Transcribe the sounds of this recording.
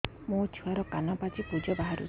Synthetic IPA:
mũt͡ʃʰuaɾɔkanɔpat͡ʃipud͡ʒɔbaɦaɾṵ

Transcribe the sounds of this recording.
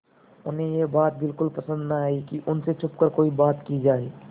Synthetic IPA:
ʊnɦẽjebaːt̪̚bɪlkʊlpɐsə̃nd̪naaːikiʔʊnset͡ʃʰʊpkəɾkoːibaːt̪kid͡ʒaːeː

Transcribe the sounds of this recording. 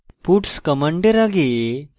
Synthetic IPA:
puʈskɐmaɳɖeɾaɡe

